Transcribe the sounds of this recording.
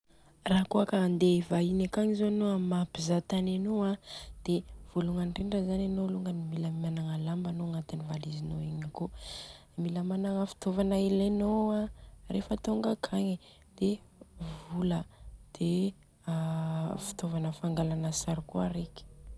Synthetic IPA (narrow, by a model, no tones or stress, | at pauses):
raɦkoakand̪evainakaɲizonoamapizat̪ananoad̪̥ev̥oluŋanɖ͡ʐiɳɖ͡ʐəzananoluŋɡənimiləmanaŋalambanoŋat̪inivalizinoiɲako | imiləmanaŋəfi̥t̪ovanailenoarefət̪oŋɡakʰaɲi | d̪̥evuləd̪̥e | fi̥t̪ovanəfaŋɡalanəsaɾikuaɾeki̥